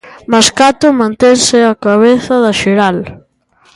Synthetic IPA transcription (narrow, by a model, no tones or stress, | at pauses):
maskat̪ʊmãnt̪ensɪakaβ̞eθɐðɐʃeɾal